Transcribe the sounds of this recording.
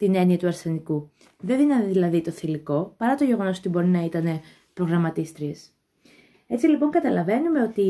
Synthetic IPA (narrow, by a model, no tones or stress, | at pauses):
t̪ine̞niɐt̪uɐɾse̞niku | ðe̞ðinɐðiðilɐðit̪o̞θiliko̞pɐɾɐt̪o̞ʝe̞ɣo̞noo̞t̪ibo̞ɾinɐit̪ɐne̞ | pɾo̞ɣɾɐmɐt̪ist̪ɾies | e̞t͡silipo̞ŋɡɐt̪ɐlɐve̞nume̞o̞t̪i